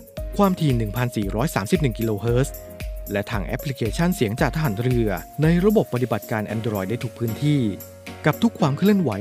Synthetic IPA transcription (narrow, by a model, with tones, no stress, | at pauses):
kʰwaː˧mt̪ʰiː˧˩nɯ˨˩ŋpʰa˧nsiː˨˩ɾɔː˦˥jsaː˩˦msi˨˩p̚nɯ˨˩ŋki˧loː˧ɦɤː˦˥s | lɛ˦˥t̪ʰaː˧ŋʔɛ̰˦˥pʰli˧˦˥kʰeː˧t͡ɕʰa˥˩nsi˨˩˦əŋt͡ɕaː˨˩kt̪ʰa˧ɦaː˩˦nɾɯ˧ɐna˧jɾa˧bo˨˩pːa˧t̪i˨ba˨˩t̪̚kaː˧nʔɛ̰ː˧ndɾɔː˧jda˥˩jt̪ʰu˦˥k̚pʰɯː˦˥nt̪ʰiː˥˩ | ka˨˩p̚t̪ʰu˦˥kʰwaː˧mkʰɾɯ˥˩ənwa˩˦j